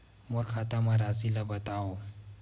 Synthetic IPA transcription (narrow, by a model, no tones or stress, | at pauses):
moɾxat̪amaɾazilabɐt̪ao